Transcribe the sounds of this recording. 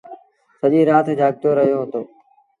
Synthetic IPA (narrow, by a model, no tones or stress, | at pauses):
səʄiːɾaːt̪d͡ʒʱaːɠ̚t̪oɾəɦijoɦoːt̪oː